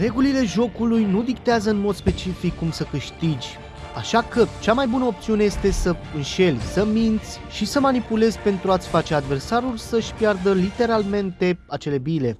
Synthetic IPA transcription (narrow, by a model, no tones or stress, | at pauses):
re̞ɡulile̞ʒo̞kulujnud̪ik̚t̪eazəɨnmo̞d̪spe̞t͡ʃifikːumsəkɨʃt̪id͡ʒʲ | aʃakət͡ʃamajbunəo̞p̚t̪siune̞je̞st̪e̞səɨnʃe̞lʲsəmint̪sʲʃisəmanipule̞zʲpe̞nt̪ɾuat̪sʲfat͡ʃead̪ve̞rsaɾulʲsəʃʲpjard̪əlit̪e̞ɾalme̞nt̪e̞at͡ʃe̞le̞bile̞